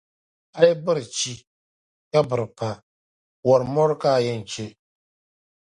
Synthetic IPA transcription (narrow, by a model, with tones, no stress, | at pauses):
a˦jɛ˦bɨ˦ɾɨ˨t͡ʃi˦ | ka˦bɨ˨ɾɨ˨pa˨ | wɔ˨ɾɨ˨mɔ˦ɾka˦˨jɛ˦n˨t͡ʃe˦